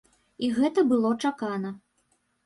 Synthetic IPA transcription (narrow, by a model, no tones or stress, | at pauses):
iɣɛt̪ɐbɨlˠɔt͡ʂakanɐ